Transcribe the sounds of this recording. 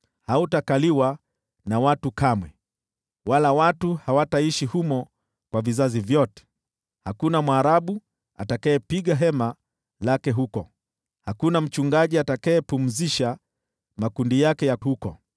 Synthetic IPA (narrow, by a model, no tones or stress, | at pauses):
hautakaliwa | nawatukamwɛ | walawatuhawataiʃihumɔ | kwavizazivjɔtɛ̥ | hakunamwaːɾaɓu | a̰takaɛpiɠaɦɛma | lakɛɦukɔ | hakunam̩t͡ʃuŋɡaʄiatakaɛpum̩ziʃa | makundijakɛjahukɔ